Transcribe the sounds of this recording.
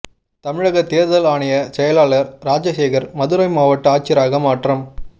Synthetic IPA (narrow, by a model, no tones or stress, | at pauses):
t̪ɐmɪɻɐɣɐt̪eːɾðɐlaːɳɪjɐsɛjɐlaːɭɐɾɾaːd͡ʒɐseːɣɐɾmɐðɯɾɐɪmaːʋɐʈːɯaːt͡ʃɪɾaːɣɐmaːʈrɐm